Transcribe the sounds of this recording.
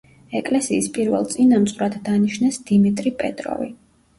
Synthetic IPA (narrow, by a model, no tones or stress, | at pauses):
ɛkʼlɛsiːspʼiɾvɛ̰lˠt̪sʼinamt̪sχwɾad̪ːaniʃnɛsd̪̥imit̪ʼɾipʼɛt̪ʼɾɔ̰vi